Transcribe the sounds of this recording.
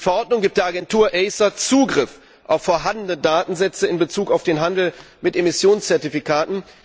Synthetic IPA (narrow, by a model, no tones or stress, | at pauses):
fɛɐʔɔɐtnʊŋɡiːp̚td̥eːɐaɡɛntʰuːɐʔɛɪsɐt͡suːɡʁɪf | ʔaʊfːoːɐɦandənədaːtn̩zɛt͡səɪnbət͡suːkaʊfd̥eːnɦandl̩ | mɪtemɪsjoːnst͡sɛɐtifikʰaːtn̩